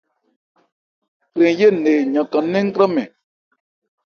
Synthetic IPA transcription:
kɾe˨˦je˦˨ne˨ɲã˨kã˨nẽ˦ŋ̩˦kɾa˦mɛ̃˨

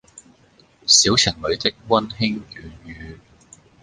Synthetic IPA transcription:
siː˨˥wt͡sʰɪ˨˩ŋlɵ˨˧ɥt̪ɪ˥k̚wɐ˥nhɪ˥ŋkyː˨˥nɥyː˨˧

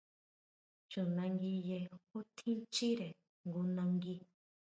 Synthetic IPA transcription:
t͡ʃu˨nã˧ŋɡi˧je˧hu˦t̪ʰĩ˦t͡ʃi˦ɾe˨ | ŋɡu˧nã˧ŋɡi˧

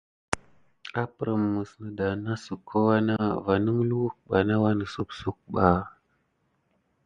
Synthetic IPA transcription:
a˦pə˨ɾə˨mː˨ə˨snə˨da˨na˦su˨kʰːo˦wa˦na˦va˨nə˦ŋlu˦wk̚ɓa˨na˦wa˦nə˨su˦psu˦k̚ɓa˨

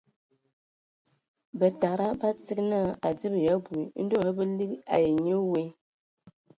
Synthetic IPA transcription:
bə˨ta˨ɾa˦ba˦t͡si˦k̚na˦a˨d͡zi˦bja˨˦bu˨i˨˦n̩˦do˦˨ə˦bə˦li˦ka̰˨je˨ɲə˦we˦

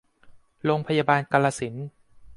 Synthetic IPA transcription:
ɾoː˧ŋpʰa˧jaː˧baː˧nka˧la˧si˩˦n

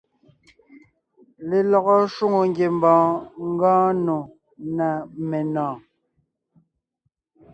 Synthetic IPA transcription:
le˨lɔ˨ɣɔ˦ʃwu˦ŋo˨ŋɡje˨m˦bɔ̃ː˨ŋ̩˦ɡɔ̃ː˦no˨ | na˨me˨nɔ̃ː˨

